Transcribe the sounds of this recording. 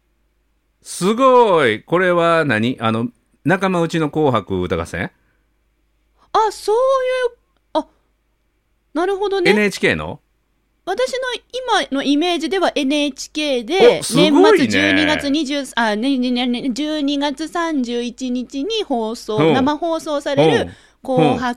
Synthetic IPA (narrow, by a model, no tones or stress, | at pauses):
sɨɡoiko̞ɾe̞βanaɲ̟iʔano̞ | nakamaɯ̟t͡ɕino̞ko̞ːɦakɯ̟̰ːt̪aɡa̰sḛ̃ | aso̞ːjɯː | a | naɾɯ̟ɦo̞d̪o̞nenet͡ɕi̥ke̞̰ːno̰ | βat̪aɕino̞imano̞ʔime̞ːʑid̪e̞βaʔe̞nɯ̟et͡ɕi̥ke̞ːd̪e̞snẽmɡːait͡sɨnd͡ʑɨːɲiɡat͡sɨɲ̟iʑɨːsaneed͡ʑɨːɲ̟iɡat͡sɨsãɲ̟d͡ʑɨːit͡ɕiɲ̟it͡ɕiɲ̟iho̞ːso̞ːnnamaho̞ːso̞ːsaɾe̞ɾɯ̟ | ko̞ːhak